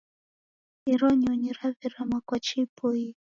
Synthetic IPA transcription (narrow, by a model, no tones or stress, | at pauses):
iɾɔɲɔɲiɾaviɾamakwat͡ʃipʰɔi